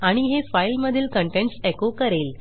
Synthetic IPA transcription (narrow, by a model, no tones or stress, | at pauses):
aɽ̃iɦefajlməd̪ʱiːlkəɳʈeɳʈsekokəɾel